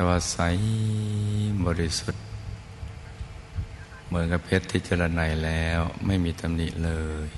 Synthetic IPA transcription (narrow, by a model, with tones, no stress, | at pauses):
t̪ɛː˧waː˧sa˧˥j | bɔː˧ɾi˧su˧t̪̚ | mɯ˩˦nka˧pʰe˧˦˥t̪ʰːi˧t̪̚t͡ɕa˧la˧na˧˩jlɛː˦˥wma˥˩jmiː˧t̪ʰa˧mnḭ˧˩ʔlɤː˧j